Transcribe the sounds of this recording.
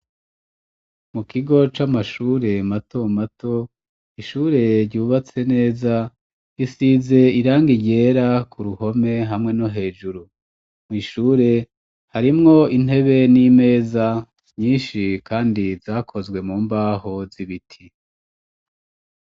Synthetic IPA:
mukiɡo̞t͡ʃamaʃuːɾe̞mato̞matʰo̞ | iʃuːɾe̞ɾɟuːβat͡se̞ne̞ːza | jisize̞iɾaːŋɡiɟe̞ːɾakuɾuho̞me̞ɦamŋe̞no̞ɦe̞ːʒuɾu | mŋiːʃuːɾe̞ | haɾimŋo̞in̥e̞βe̞nime̞ːza | ɲiːnʃikaːndizaːkʰo̞zɡwe̞muːmbaːho̞ziβitʰi

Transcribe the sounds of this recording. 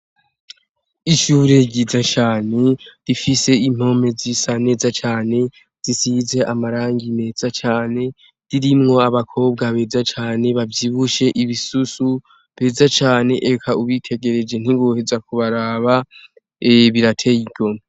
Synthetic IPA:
iʃuːɾe̞ɟizat͡ʃaːne̞d̥ifise̞im̥o̞me̞zisane̞ːzat͡ʃaːne̞ | z̥isize̞ʔamaɾaːŋɡine̞ːzat͡ʃaːne̞ | d̥iɾimŋo̞aβakʰo̞ːb̚ɡaβe̞zat͡ʃaːne̞βavjiβuʃe̞ʔiβisusu | βe̞zat͡ʃaːne̞ʔekʰauβitʰe̞ɡe̞ɾe̞d͡ʒe̞n̥iβohe̞zakuβaɾaːβa | eβiɾatʰe̞iɡo̞m

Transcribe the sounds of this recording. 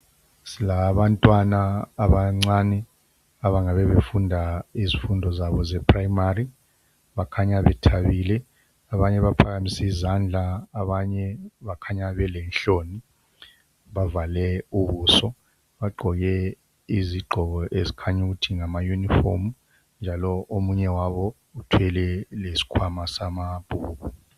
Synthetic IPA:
silaβantʼwanaːβaŋ͡ǀanɛ | aβaŋaβɛβefundʱaizifundʱɔzaβɔzɛpʰrajimari | βakʰaɲaβɛtʰaβiːlɛ | aβaɲɛβapʰaɣamisiizand͡ɮʱaːβaɲɛβakʰaɲaβɛlɛnɬoni | βavalɛuβuːsɔ | βaɡ͡ǃʱɔɣɛ | iziɡ͡ǃʱɔɣɔʔezikʰaɲuɣutʰiŋamajunifo̰mu | nd͡ʒʱalɔʔomuɲɛwaβɔ | utʰwɛlɛlesi̥kʰwamasamab̥ʱuːɣu

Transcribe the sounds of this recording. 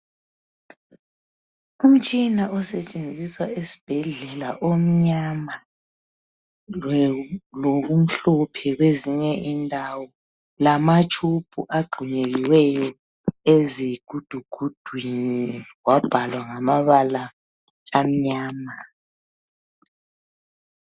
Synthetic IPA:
um̩t͡ʃʼinaɔsɛt͡ʃʼend͡zʱiswaesi̥b̥ʱɛɮɛlaʔom̩ɲama | loɣum̩ɬɔpʰɛɣweziɲɛʔindʱawɔ | lamat͡ʃʼupʰʼuʔaɡ͡ǃʱuɲeɣiwɛjɔ | eziɡ̥ʱud̥ʱuɡ̥ʱud̥ʱwiniwab̥ʱalwaŋamaβalaː | m̩ɲaːma

